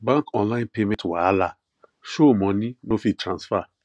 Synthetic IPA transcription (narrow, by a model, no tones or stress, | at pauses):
bãŋkɔ̃nlaɪ̃npemɛ̃twaala | ʃomɔ̃ninofitɾãnsfa